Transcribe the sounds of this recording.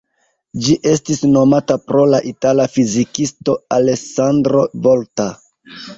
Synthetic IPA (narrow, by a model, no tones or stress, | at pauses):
d͡ʒiʔe̞stisno̞matapɾo̞laʔitalafizikisto̞ale̞sandɾo̞vo̞lta